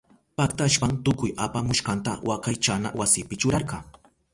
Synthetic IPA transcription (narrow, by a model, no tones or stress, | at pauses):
pakt̪aʃpaŋt̪ʊkʊjapamʊʃkɑnt̪a̰wʔakajt͡ʃana̰wasɪpɪt͡ʃʊɾɑɾɢɑŋ